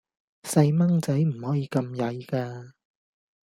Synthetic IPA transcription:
sɐ˧jmɐ˥ŋt͡sɐ˨˥jm̩˨˩hɔː˨˥jiː˨˧kɐ˧mjɐ˨˧jkaː˧

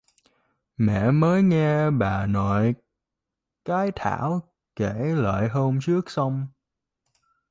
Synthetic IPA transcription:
mɛ̰˧˨məː˨˦jŋɛ˧ɓaː˨˩nɔ˧˨j | kaː˨˦jt̪ʰa̰ː˧˩˥w | ke˧˩lə̰ː˧˨jɦəː˧mt͡ɕɨ˦˥ək̚sa˧wŋ͡m

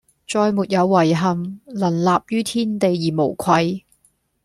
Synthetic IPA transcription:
t͡ʃɔː˧jmuː˨t̚jɐ˨˧wːɐ˨˩jɦɐ˨mlɐ˨˩nlaː˨p̚jyː˥t̪ʰiː˥nt̪e˨jːiː˨˩mo˨˩wkʷʰɐ˧j

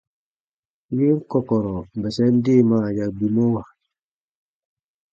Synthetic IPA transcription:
ji˦ŋko˨kɔ˨ɾo˨bɛ˨se˦n˦di˦˨ma˦˨ɟa˨kbi˨mo˦wa˨

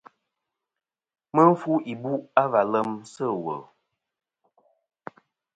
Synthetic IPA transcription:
mə˦ɱ̩˦fu˦ʔi˨bu˦ʔa˦va˨lə˦msə˦˨wə̰˨

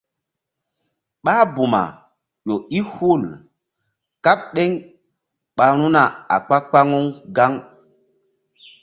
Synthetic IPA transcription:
ɓa˦bu˨ma̰˨ | ʄo˨i˦hu˦˨l | ka˦p̚ɗe˦ŋ | ɓa˨˦ɾ̃u˦na˨a̰˨k͡pa˦k͡pa˦ŋu˦ŋɡa˦ŋ

